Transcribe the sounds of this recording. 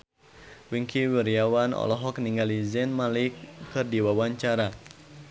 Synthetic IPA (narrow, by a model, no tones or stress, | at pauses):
wiŋkiwiɾiawanɔ̰lɔɦɔk̚niŋɡalizɛnmalikːɨrdiwawaɲt͡ʃaɾa